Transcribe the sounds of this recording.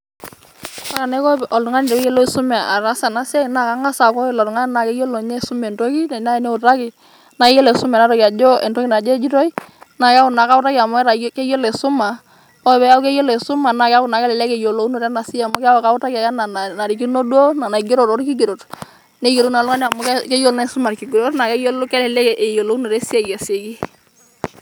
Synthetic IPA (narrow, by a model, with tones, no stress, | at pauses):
a˦ɾa˨ne˦kɔ˦˨ʔɔ˨lu˨ŋa˦ni˨tɛ˨ke˦je˦lo˦i˨su˦mɛ˨a̰˨ɾa˦sa˨na˦sa˦˨na˨ka˦ŋa˦sa˨kɔ˦ɛ˨la˨ɾu˨ŋa˦na˨ke˦jo˦lo˨ɲe˦˨su˦mɛ˨nto˦ki˦na˨na˦ɛ˨˦ne˦u˨ta˦ki˨ | na˨ke˦je˦le˨su˦mɛ˨na˦ɾɔ˦ki˨a˨d͡ʒɔ˦ɛ˨nto˦ki˦na˨d͡ʒe˦d͡ʒi˦tɔ˦i˦na˨ka˦ʊ˨na˨ka˦ʊ˦ta˦kia˨mɔ˦ɛ˦ɾa˨˦ke˦jo˦le˨su˦ma˨ | ɔ˦˨bɛ˦ja˦u˦kɛ˦jɔ˦le˨su˦ma˨na˨ka˦u˨na˨kɛ˦lɛ˨lɛ˦kɛ˨jo˨lo˨u˦no˨ɾa˦na˨si˦a˨mʊ˦ka˦wka˦u˦ta˦ka˨ja˦na˨na˨na˨ɾi˨ki˦no˦dwo˦na˨na˨ɡe˦ɾo˨tɔ˦ɾki˦ɡi˨ɾo˨t | ne˦jo˨lo˦na˨lɔ˦ŋa˦n˦a˨mu˨˦kkɛ˦jo˦lna˦su˦ma˨ɾki˨ɡi˨ɾo˦tna˨kɛ˦jo˦lkɛ˦lɛ˨lɛ˦kɛ˨ʔe˨jo˨lo˨u˦no˨ɾɛ˦si˦a˦˨ja˨se˨ki˦